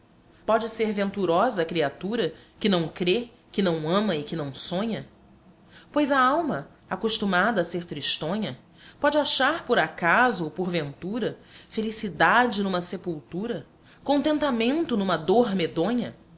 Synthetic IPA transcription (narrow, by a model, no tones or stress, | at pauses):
pɔd͡ʒɪseɾvẽnt̪uɾɔzɐːkɾiat̪uɾɐkɪnɐ̃w̃kɾe | kɪnɐ̃w̃ɐ̃mɐɪkɪnɐ̃w̃sõɲɐ | pojzɐawmɐ | akoʃt̪umad̪ɐːseɾt̪ɾiʃt̪õɲɐ | pɔd͡ʒɪaʃaɾpoɾakazʊopoɾvẽnt̪uɾɐfelisid̪ad͡ʒɪnũmɐsepuwt̪uɾɐ | kõnt̪ẽnt̪amẽnt̪ʊnũmɐd̪oɾmed̪õɲɐ